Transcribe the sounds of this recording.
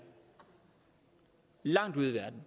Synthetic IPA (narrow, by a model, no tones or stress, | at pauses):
lɑ̈ŋ̰d̥uðˠʋæɐd̥n̩